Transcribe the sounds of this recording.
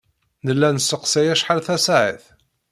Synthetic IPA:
nəlːænəsəqsæjæʃħalθæsaʕiθ

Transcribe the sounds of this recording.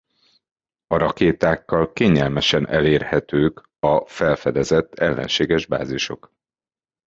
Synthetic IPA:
ɒɾɒkeːt̪aːkːɒlkeːɲɛlmɛʃɛnʔɛleːrhɛt̪øːk | ɒfɛlfɛd̪ɛzɛt̪ːɛlːɛ̰nʃeːɡɛʒba̰ːziʃo̞̰k

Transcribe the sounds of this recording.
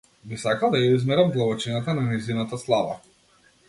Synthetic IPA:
bisakalˠd̪ajaizmɛɾamd̪lˠavɔt͡ʃinat̪ananɛjzinat̪aslˠava̰

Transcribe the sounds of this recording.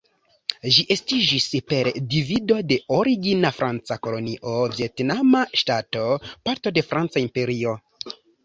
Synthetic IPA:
ʒiʔe̞stid͡ʒispe̞ɾdivido̞de̞ʔoɾiɡinafɾʔant͡sako̞lo̞niʔo̞vje̞tnamaʃtato̞paɾto̞de̞fɾant͡saimpe̞ɾio̞

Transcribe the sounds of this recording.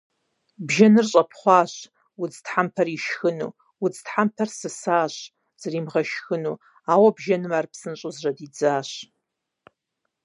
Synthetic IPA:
bʒɐnɨrɕʼɐpʰχʷɑːɕ | wʊd͡ztħampʰɐriʃxɨnṵː | wʊd͡ztħampʰɐrsɨsaːɕ | z̥ɐriːmʁɐʃxɨnuː | aːwɐbʒɐnɨmaːrpsɨnɕʼʊzrɐdid͡zaːɕ

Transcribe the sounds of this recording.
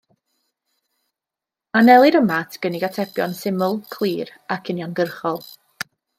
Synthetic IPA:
anɛlˠiɾəmatʰɡ̥əniɡatʰɛbjɔ̰nsɪmʊlˠkʰlˠiːrakʰɪnjɔnɡərχɔlˠ

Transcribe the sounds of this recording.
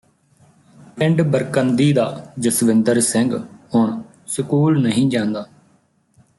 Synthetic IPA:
ʋɪ̃ɳɖbəɾkənd̪iːd̪aːd͡ʒəsʋɪ̃nd̪əɾsəŋɡɦʊɳ | səkuːlnəɦĩːd͡ʒãːnd̪aː

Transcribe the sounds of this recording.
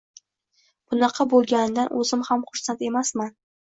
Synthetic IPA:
b̥ʊnɑqʰɑbolˠɡʲanɪd̪anʔɵ̰zɪmhamχʊɾsant̪e̞masman

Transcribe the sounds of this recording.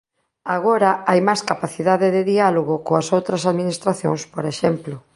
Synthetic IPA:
aɣ̞oɾɐajmajskapaθiðaðɪðɪðialoɣʊkoɐsowt̪ɾɐsaðminist̪ɾaθjõ̰ŋspoɾeʃɛmplʊ

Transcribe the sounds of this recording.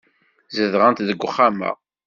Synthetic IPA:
zəðʁənt̪ðəɡʷːχːamæ̰

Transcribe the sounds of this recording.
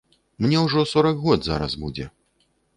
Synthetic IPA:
mnʲɛwʐɔsɔɾɐkɣɔd̪za̰ɾɐ̰sbud͡zʲɛ̰

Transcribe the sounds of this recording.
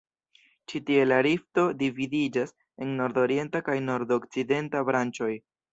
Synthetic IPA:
t͡ʃitie̞laɾifto̞dividid͡ʒas | e̞nːo̞ɾdo̞ɾie̞ntakajno̞ɾdok̚t͡side̞ntabɾant͡ʃo̞j

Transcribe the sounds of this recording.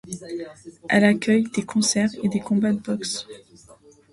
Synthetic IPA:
ʔɛlakʲœjd̪ekʰɔ̃sɛʁed̪ekɔ̃bad̪əbɔks

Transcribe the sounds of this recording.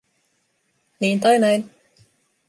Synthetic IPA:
niːnt̪ɑjnajn

